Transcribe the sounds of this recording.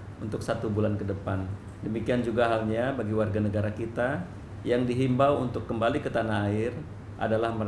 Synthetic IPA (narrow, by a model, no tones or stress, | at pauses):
unt̪ʊksat̪ubulankədəpan | dəmikiand͡ʒuɡaɦalɲabaɡiwarɡanəɡaɾakit̪a | jaŋdiɦimbawunt̪ʊkːəmbalikət̪anaɦaɪr | ʔa̰dalahmə